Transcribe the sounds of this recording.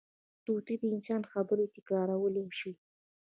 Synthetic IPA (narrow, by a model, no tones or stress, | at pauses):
t̪ut̪id̪əɪnsɑnxabəɾet̪ɪkɾɑɾawəlemʃi